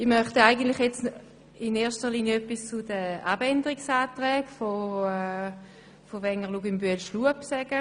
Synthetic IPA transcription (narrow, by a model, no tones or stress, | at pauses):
ɪχmœχtaɪɡəntlɪχjɛt͡s | ɪneːɐʃtəʁliːnjəœpːist͡sʊd̥əab̥ɛndəʁiksaːtʁɛːɡfo | fovɛŋəʁluɡɪmbyəlʃluəpsɛɡ̥ə